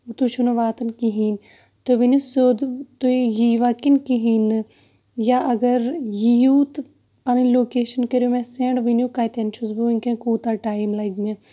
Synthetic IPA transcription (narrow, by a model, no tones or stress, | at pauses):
t̪uʃunɐʋaːt̪ɐnkiɦin | t̪oʋinusod̪t̪ojiːʋakinkiɦinɨ | jaʔɐɡɐɾjijuːt̪ | pɐnɐnloːkeːʃɐnkɐɾjomeseɳɖʋinjukaːjt̪ent͡ʃʰuzbuinkẽkuːt̪aʈaːimlɐɡme